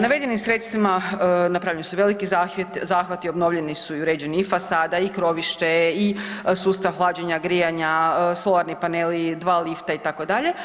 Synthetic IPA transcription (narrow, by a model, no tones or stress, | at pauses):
naʋe̞d̪jenimsɾe̞t̪st̪ʋimanapɾaʋʎenisuʋe̞likizat̪zaːxʋat̪iobno̞ʋʎe̞nisuiuɾeːd͡ʑe̞niifasaːd̪aikɾo̞ʋiʃt̪e̞isuːst̪aʋɦlˠaːd͡ʑeɲaɡɾijaɲasolˠaɾnipanelid̪ʋaːlift̪ait̪ako̞d̪aʎe̞